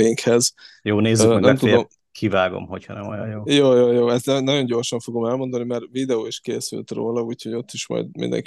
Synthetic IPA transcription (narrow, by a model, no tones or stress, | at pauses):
iiŋkhɛzjoːneːzyɛnɛmt̪ued̪om | kʰivaːɡo̰mho̞chɒnɛmojɒ̰joːjoːjoːjoːɛst̪nɛnɒɟo̞ɲɟo̞rʃɒɱfo̞ɡo̞mɛlmo̞nd̪ɒnimɛrvid̪ɛoːiʃkeːsy̰lt̪ro̰ːlɒuːcho̞ɟo̞t̪ːiʃmɒ̰jd̪mḭnd̪ɛ̰ŋk